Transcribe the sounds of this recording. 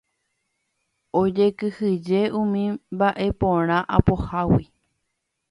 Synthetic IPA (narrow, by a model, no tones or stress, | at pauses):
od͡ʒe̞kɨhɨd͡ʒe̞ʔũmĩbaʔe̞põɾ̃ãʔapohawi